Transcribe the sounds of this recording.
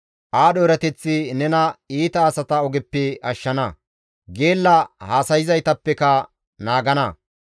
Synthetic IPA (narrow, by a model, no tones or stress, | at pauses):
ʔaːɗoːɾɐt̪ɛt͡sːɪnɛnɐiːt̪ɐːsɐt̪ɐɔɡɛpːɛɐʃːɐnɐ | ɡe̞ːlːɐhaːsɐjɪzɐjt̪ɐpːɛkɐ | naːɡɐnɐ